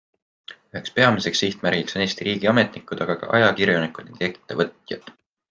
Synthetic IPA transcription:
yɦe̞kspe̞ɑmise̞ksiht̪mæɾɡ̥iksnest̪iɾiːɡ̥iɑme̞t̪ˑnikːˑud̪̥ɑɡ̥ɑkɑ̰ʔɑ̰jɑkiɾjonikːˑud̪nḭŋɡ̪e̞kːˑit̪ːˑevɤt̪ˑjɑ̰d̪̥

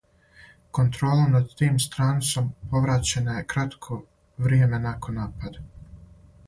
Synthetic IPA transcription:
ko̞nt̪ɾo̞ːlˠanad̪̚t̪iːmst̪ɾaːnit̪so̞mpo̞ʋɾat͡ɕe̞naje̞kɾat̪kʰo̞ | ʋɾje̞me̞nakʰo̞nːaːpad̪a

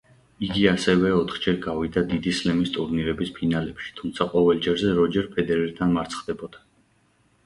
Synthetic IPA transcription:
iɡiasɛvɛɔt̪ʰχd͡ʒɛɾɡavid̪ad̪id̪islɛmist̪ʼuɾniɾɛbispʰinalɛpʃi̥t̪ʰumt̪sʰaqʼɔvɛlˠd͡ʒɛɾzɛɾɔd͡ʒɛɾpʰɛd̪ɛɾɛɾt̪ʰanmaɾt̪sʰχd̪ɛbɔd̪̥a

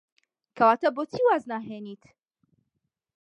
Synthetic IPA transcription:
kʰɐwaːt̪ɐboːt̪ʰiːwaːznaːɦeːniːt̪

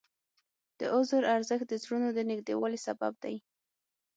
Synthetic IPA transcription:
d̪̥əʔʊzəɾaɾzəxt̪̚d̪əzɾunod̪ənɪɡd̪ewɑlisaba̰b̚d̪aj

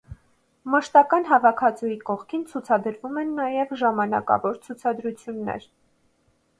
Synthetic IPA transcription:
məʃt̪ɑkɑn̪ɦɑvɑkʰɑt͡sujikɔχkʰint͡sʰut͡sʰɑd̪əɾvumɛnːɑjɛvʒɑmɑnɑ̰kɑ̰vɔɾt͡sʰut͡sʰɑd̪ɾut͡sʰjunːɛ̰ɾ

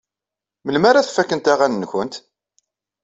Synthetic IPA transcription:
məlmaɾaθfækːənt̪aʁannːçənt̪

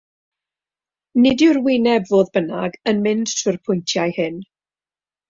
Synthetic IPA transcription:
nɪdɪrwinɛbvoːðbənaɡənmɪnd̥tʰɪrpʰʊjntʰjajhɨn

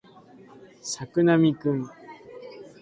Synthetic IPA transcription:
sakɯ̟namʲikɯ̃ŋ

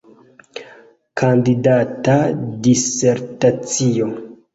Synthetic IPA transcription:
kʰandidatadiseɾtat͡sio

